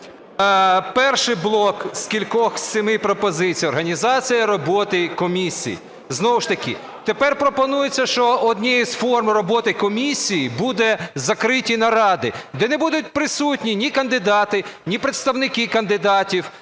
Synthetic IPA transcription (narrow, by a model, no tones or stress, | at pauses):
pɛrʃɪjblˠɔkskʲilʲkɔxsʲɪmɪpɾɔpɔzɪt͡sʲijɔrɦɐnʲizɑt͡sʲijɐɾɔbɔt̪ɪkɔmʲisʲḭjḭ | znɔwʊʃt̪ɐkʲɪ̰ | t̪epɛrpɾɔpɔnujet͡sʲːɐʃt͡ʃɔɔd̪ʲnʲiizfɔrmrɔbɔt̪ɪkɔmʲisʲijibud̪ɛzɐkɾɪtʲinɐɾɑd̪ɪd̪ɛnɛbud̪ʊt̚ʲpɾɪsutʲnʲinʲikɐnd̪ɪd̪ɑt̪ɪnʲipɾet̪st̪ɐwnɪkɪkɐnd̪ɪd̪ɑtʲiw